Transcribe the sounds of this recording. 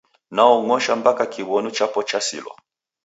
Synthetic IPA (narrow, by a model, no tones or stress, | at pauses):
naɔŋɔʃambakakʰiβɔnut͡ʃapɔt͡ʃasḭlwɔ̰